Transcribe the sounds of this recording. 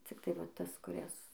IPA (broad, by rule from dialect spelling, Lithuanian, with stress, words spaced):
t͡sʲɪkˈtɐɪ ʋɐ ˈtɐs kʊˈrʲɛs